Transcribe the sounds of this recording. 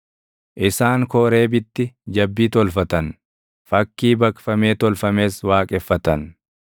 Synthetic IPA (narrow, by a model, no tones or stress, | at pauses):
ʔɪsaːŋkɔːɾe̞ːbɪt̪ːɪd͡ʒɐbːiːt̪ɔlfɐt̪ɐn | fɐkːiːbɐkfɐme̞ːt̪ɔlfɐme̞ːswaːkʼɛfːɐt̪ɐn